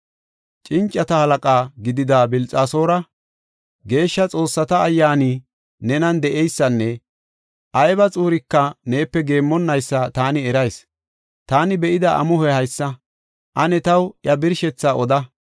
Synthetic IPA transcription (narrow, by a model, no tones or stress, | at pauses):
t͡ʃʼɪnt͡ʃʼːɐt̪ɐhɐlɐkʼaːɡɪd̪ɪd̪abɪlt͡sʼaːso̞ːɾɐ | ɡe̞ːʃːɐt͡sʼo̞ːsːɐt̪ɐːjːaːni | nɛnɐnd̪ɛʔɛjsːɐnːɛ | ʔɐjbɐt͡sʼuːɾɪkːɐne̞ːpːɛɡe̞ːmːɔnːɐjsːɐt̪aːnɪɛɾɐjs | t̪aːnɪbɛʔɪd̪ɐʔɐ̰mʊɦɛhɐjsːɐ | ʔɐnɛt̪ɐwʔjɐbɪɾʃɛt͡sːaʔɔd̪ɐ